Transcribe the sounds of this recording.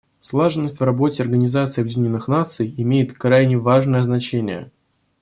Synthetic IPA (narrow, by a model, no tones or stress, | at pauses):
slˠaʐɨnːəsʲtʲvrɐbo̞tʲɪɐrɡənʲɪzat̪sɨɐbjɪdʲɪnʲnːɨxnat̪sɨjɪmʲejɪt̪kɾajnʲɪvaʐnəjəznɐt͡ɕenʲɪjə̰